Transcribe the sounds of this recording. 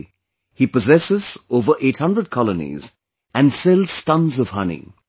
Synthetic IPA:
hipəzɛsɪzoʊvə˞ʔeɪt̚hʌ̃ndɹəd̚kʰɑlˠənḭz | ɨ̃nsɛlˠz̥stʌ̃nzʌv̥hʌnḭ̃

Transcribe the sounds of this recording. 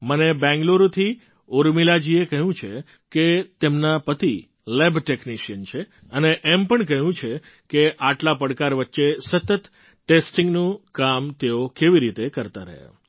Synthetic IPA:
mənebɛ̃ŋɡloɾt̪ʰi | oɾmilad͡ʒiekəɦũt͡ʃʰe | ket̪emnapət̪i | lebʈekniʃiənt͡ʃʰe | əneʔempəɳkəɦũt͡ʃʰe | keʔaʈlapəɽkaɾʋətːʃesət̪ət̪ | ʈesʈɪŋɡnũkamt̪eokeʋiɾit̪ekəɾt̪aɾə̰ɦa̰

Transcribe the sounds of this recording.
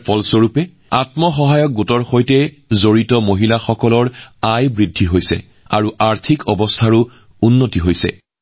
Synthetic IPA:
pʰɔlsoɹupɛ | atmɔxɔɦajɔk̚ɡutɔɹxojtɛ | zoɹitɔmoɦilaxɔkɔlɔɹajbɹidʱːiɦojsɛ̰ | aɹuʔaɹtʰikʰɔbɔstʰaɹʊ | unːotiɦojsɛ̰

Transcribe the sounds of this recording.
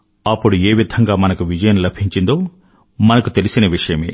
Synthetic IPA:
ɐpːuɽueːʋid̪ʱɐŋɡaːmɐnɐkuʋid͡ʒɐjɐnlɐbʱiɲt͡ʃind̪o̞ː | mɐnɐkut̪e̞lisinɐʋiʂɐjɐmḛː

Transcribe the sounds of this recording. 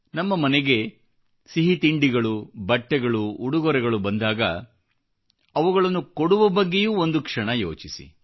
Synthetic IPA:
nɐmːɐmɐnɛɡe̞ | siɦit̪iɳɖiɡɐɭubɐʈːɛɡɐɭuːɽuɡɔɾɛɡɐɭubɐnd̪aːɡɐ̰ | ɐʋuɡɐɭɐnːukoɽuʋɐbɐɡːe̞juːond̪ukʂɐɳɐjo̰ːt͡ʃisḭ

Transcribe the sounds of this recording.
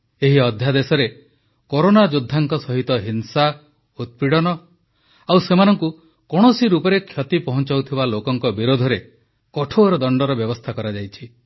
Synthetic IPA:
eɦiɔd̪ʱjad̪esɔɾe | koɾonad͡ʒud̪ʱːaŋkɔsɔɦit̪ɔɦinsa | ut̪̚piɽɔnɔ | awsemanɔŋku | kɔɽ̃ɔsiɾupɔɾekʰjɔt̪ipɔɦɔnt͡ʃawt̪ʰibalokɔŋkɔbiɾod̪ʱɔɾe | kɔʈʰoɾɔd̪ɔɳɖɔɾɔbjɔbɔst̪ʰakɔɾad͡ʒajt͡ʃʰi

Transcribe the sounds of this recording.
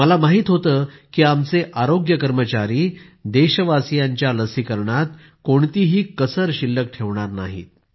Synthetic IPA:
məlamaɦiːt̪ɦot̪əːkiːamt͡seʔaɾoɡjəkəɾmət͡ɕaɾiːd̪eɕəʋasijaɲt͡ɕjaləsiːkəɾɳat̪ | koɳt̪iːɦiːkəsəɾɕilːək̚ʈʰeʋɳaɾna̰ɦḭːt̪̚

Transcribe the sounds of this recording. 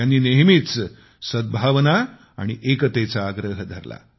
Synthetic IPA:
janːiːneɦmiːt͡s | səd̪̚bʱaʋna | a̰ɽ̃iʔekət̪et͡saːɡɾəɦəd̪ʱəɾla̰

